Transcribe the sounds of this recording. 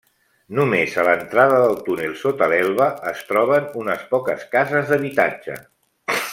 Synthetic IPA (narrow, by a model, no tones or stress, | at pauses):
numezələnt̪ɾaðəðəlˠt̪unilˠsot̪əlɛlˠβəəst̪ɾɔβ̞ənunəspɔkəskazəzðəβit̪a̰d͡ʒə̰